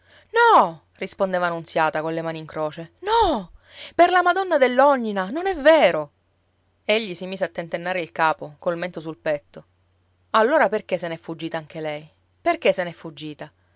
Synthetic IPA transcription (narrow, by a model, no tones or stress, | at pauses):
nɔ | rispond̪eːvaːnːuntsjaːt̪akonlemaːniŋkɾoːt͡ʃenɔ | perlamad̪ɔnːad̪elːɔɲːinanonɛvːeːɾo | eʎːisimiːzeat̪ːent̪enːaːɾeilkaːpokolment̪osulpɛt̪ːo | alːoːɾaperkesenɛfːud͡ʒːiːt̪aaŋk̟elɛj | perkesenɛfːud͡ʒːiːt̪a